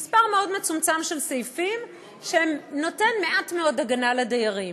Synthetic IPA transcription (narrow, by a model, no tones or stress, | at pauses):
mispaʁme̞o̞dmet͡sumt͡samʃelsejfim | ʃeemno̞tenme̞ʔatmeo̞daɡanaledejaʁim